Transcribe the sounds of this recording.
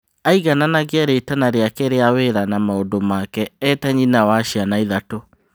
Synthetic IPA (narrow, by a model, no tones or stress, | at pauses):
aiɣananaɣeaɾetanaɾeakɛɾeaweɾanamaodomakɛɛtaɲinawaʃianaiðato